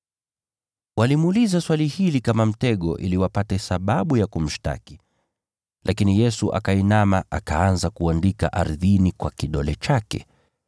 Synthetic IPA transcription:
walimulizaswalihilikamam̩tɛɠɔ̰ʔḭliwapatɛsaɓaɓujakum̩ʃta̰ki̥ | lʔakinijɛsuʔa̰kainamaʔakaanzakuandika̰ʔaɾðinikwakiɗɔlɛt͡ʃakɛ̰

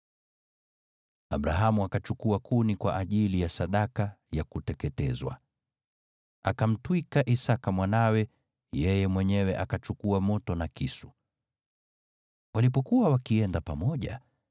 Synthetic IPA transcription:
aɓɾaɦamuakat͡ʃukuakunikwa̰ʔaʄilijasaɗakajakutɛkɛtɛzwa̰ | akam̩twikaʔisakamwanawɛ | jɛjɛmwɛɲɛwɛʔakat͡ʃukuamɔtɔnakisu | walip̬ɔkuwawakiɛndapamɔʄa̰

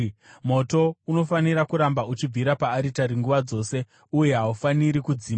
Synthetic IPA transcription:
m̤o̞to̞uno̞faniɾakuɾambaut͡ʃib͡vʱiɾapaːɾitaɾiŋɡuʋad͡zo̞ːse̞ | uje̞ɦaufaniɾikud͡ziːma

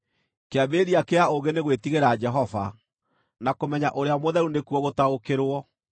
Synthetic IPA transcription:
keabeɾiakeaoɣeneɣwetiɣeɾad͡ʒɛɦɔva̰ | nakomɛɲaʔoɾeamoðɛɾunekuɔɣotaokeɾwɔ

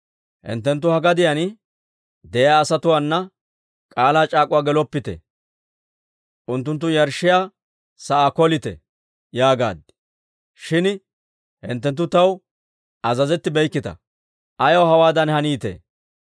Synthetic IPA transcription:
hɪ̰nt̪ːɛnt̪̬ːʊhɐɡɐd̪ɪjɐn | d̪ɛjaːsɐt̪ʊwaːnːɐ | kʼaːlaːt͡ʃʼaːkʼʊwaːɡɛlɔpːɪt̪ɛ̰ | ʔʊnt̪ːʊnt̪̬ːʊjɐɾʃːɪjaː | sɐʔaːkɔlɪt̪ɛ̰ | jaːɡa̰ːd̪ | ʃɪn | hɪ̰nt̪ːɛnt̪̬ːʊt̪ɐw | ʔɐzɐzɛt̪ːɪbɛjkːɪt̪ɐ̰ | ʔɐjɔwɦɐwaːd̪ɐnhɐniːt̪ḛ

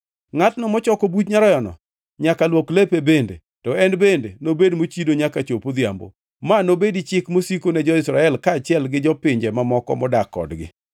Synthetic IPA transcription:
ŋatnɔmɔt͡ʃɔkobutɲaɾɔjɔnɔ̰ | ɲakalwoklepebendḛ | tɔɛnbendenobedmot͡ʃidoɲakat͡ʃopod̪ja̰mbo̰ | manobedit͡ʃɪkmosikonɛd͡ʒɔɪsɾaɛlkaːt͡ʃɪɛlɡɪd͡ʒɔpɪɲd͡ʒɛmamɔkɔ̰mɔdakːɔ̰dɡɪ̰

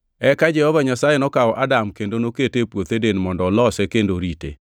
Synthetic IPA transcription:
ɛkad͡ʒɛhɔvaɲasajenɔkaɔʔadamkendonoketepwot̪edenmɔndɔlɔsɛkendoɾitḛ

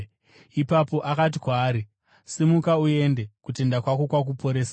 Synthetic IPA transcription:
ipapo̞ʔakat̬ikwaːɾi | semukaue̞nde̞kute̞ndakwako̞kwak̬upo̞ɾe̞ːsa

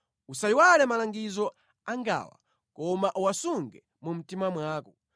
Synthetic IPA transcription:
usaiwalɛmalaŋɡizɔ | aŋɡa̰ːwa̰ | kɔmaʔuwasuŋɡɛ | mum̩timamwaːkɔ

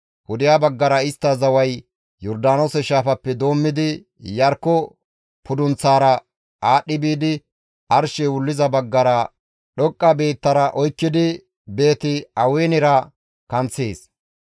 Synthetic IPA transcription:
hʊd̪ɪjaːbɐɡːɐɾɐɪst̪ːɐzɐwɐj | jɔɾd̪aːnoːsɛʃaːfɐpːɛd̪o̞ːmːɪd̪ɪ | jɐɾkːɔ | pʊd̪ʊnt͡sːaːɾɐ | ʔaːɗːɪbiːd̪ɪ | ɐɾʃɛwʊlːɪzɐbɐɡːɐɾɐ | ɗɔkʼːɐbe̞ːt̪ːɐɾɐʔɔjkːɪd̪ɪ | be̞ːt̪ɪɐweːnɪɾɐ | kɐnt͡sːeːs

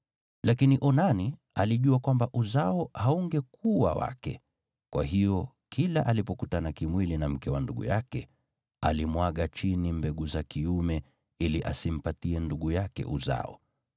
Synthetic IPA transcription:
lakiniʔɔnani | aliʄuakwambaʔuzaɔhauŋɡɛkuwa̰wa̰kɛ̰ | kwa̰ɦijɔ | kʰilaʔalipɔkutanakimwilinam̩kɛwanduɠṵjakɛ | alimwaɠat͡ʃinimbɛɠuzakiumɛ | iliʔasim̩patiɛnduɠujakɛ̰ʔuza̰ɔ̰

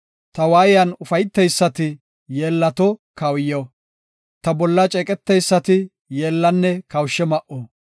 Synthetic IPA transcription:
t̪ɐwaːjɪjɐnʊfɐjt̪ːɛjsːɐt̪ɪ | jeːlːɐt̪ɔkɐwjɐw | t̪ɐbɔlːɐt͡ʃʼɛkʼɛt̪ːɛjsːɐt̪ɪ | jeːlːɐnːɛkɐwʃːɛmɐʔo

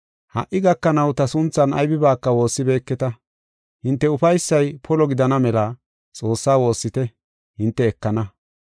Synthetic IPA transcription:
hɐ̰ʔɪɡɐkːɐnɐwt̪ɐsʊnt͡sːɐnɐ̰jbɪbaːkːɐwo̞ːsːɪbe̞ːkːɛt̪ɐ | hɪnt̪ːɛʊfɐjsːɐjpʰɔlɔɡɪd̪ɐnɐmɛlɐ | t͡sʼo̞ːsːaːwo̞ːsːɪt̪ɛ | hɪnt̪ːɛːkːɐnɐ

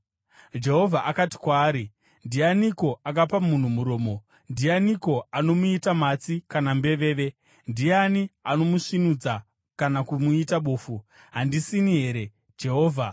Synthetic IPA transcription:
d͡ʒe̞ɦo̞vʱaʔakati̥kwaːɾi | ndijaniko̞ak̬apamun̤umuɾo̞ːmo̞ | ndijaniko̞ano̞muitamat͡sikanambe̞ʋe̞ːʋe̞ | ndianiano̞muʂinud͡za | kanakumuitaɓoːfu | ɦandisiniɦe̞ːɾe̞ | d͡ʒe̞ɦo̞ːvʱa

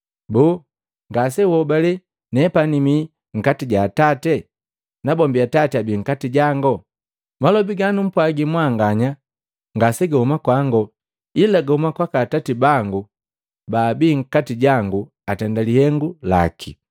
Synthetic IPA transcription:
buː | ŋɡasɛwɔbalɛ | nɛpanimi | ŋ̩katiɟaːtatɛ | nabɔmbiatatiabiːŋ̩katiɟaŋɡɔ | malɔbiɡanum̩pwaɡimwaŋɡaɲa | ŋɡasɛɡahumakwaŋɡɔ | ilaɡahumakwakatatibaŋɡu | baːbiːŋ̩katiɟaŋɡu | atɛndalihɛŋɡula̰kʰi

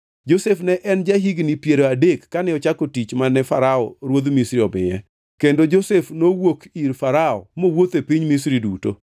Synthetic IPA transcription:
d͡ʒosefnɛʔɛnd͡ʒaɦiɡnipjeɾoadekːanɛɔt͡ʃakotit͡ʃmanɛfaɾaɔ̰ɾwod̪misɾiɔbɪ̰ɛ̰ | kendod͡ʒosefnowokiɾfaɾaɔ̰mowot̪epiɲmisɾiduto̰

